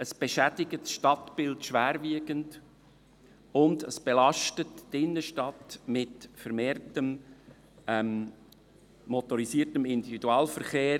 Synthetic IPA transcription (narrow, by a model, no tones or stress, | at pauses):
əsb̥eʃædɪɡətsʃtɑtb̥ɪltʃvæːɾviəɡənd | ʊndəsb̥elɑʃtətːɪnːəʃtɑtmɪtfəɾmeːrtəm | ɛm | mɔt̪ɔɾisiːərtəmɪndividuɑːlfəɾχeː